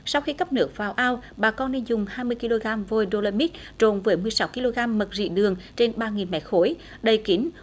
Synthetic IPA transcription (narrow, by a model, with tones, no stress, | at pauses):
sa˧wxi˧kə˦˥p̚nɨ˦˥ək̚vaː˨˩wʔaː˧wɓaː˨˩kɔ˧nne˧nzʊ˨˩ŋ͡mhaː˧jmɨ˧əjki˧lo˧ɣaː˧mvo˧˩jɗo˧ləː˧mi˦˥t̚ | t͡ɕo˨˩nvəː˨˦jmɨ˨˩əjsa˨˦wki˧lo˧ɣaː˧mːə˨˩t̚zḭ˧˨ɗɨ˨˩əŋt͡ɕe˧nɓaː˧ŋi˨˩nmɛ̰˨˧˥xo˨˦j | ɗə˨˧˩jki˨˦n̟